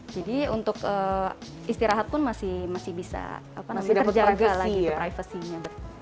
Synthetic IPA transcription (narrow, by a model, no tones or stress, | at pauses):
d͡ʒadiunt̪ʊkə | ist̪iɾaɦat̪̚pʊnmasɪhmasɪhbisa̰apanamadtərd͡ʒaɡalaɡipɾajfəsiɲabərt̪